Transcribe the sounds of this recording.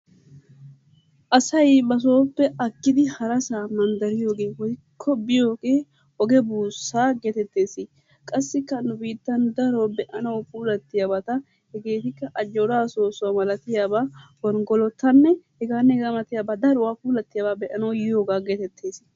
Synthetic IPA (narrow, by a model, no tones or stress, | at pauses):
ʔɐsɐjbɐs̬oːpːɛʔɐkːɪd̪ɪhɐɾɐsaːmɐnd̪ɐɾɪjo̞ːɡe̞ːwɔjkʰːɔbɪjo̞ːɡe̞ː | ɔɡɛbuːsːaːɡɛt̪ɛt̪ːe̞ːsɪ | kʼɐsːɪkːɐnʊbiːt̪ːɐnd̪ɐɾoːbɛʔɐnɐwpuːlɐt̪ːɪjabɐt̪ɐ | hɛɡe̞ːt̪ɪkːɐʔɐd͡ʒːoɾaːso̞ːsʊwamɐlɐt̪ɪjaːbaːwɔnɡɔlɔt̪ːɐnːɛhɛɡaːnːɛɡɐmɐt̪ɪjaːbad̪ɐɾʊwaːpuːlɐt̪ːɪjabaːbɛʔɐnɐwjɪjoːɡaːɡɛt̪ɛt̪ʰːe̞ːs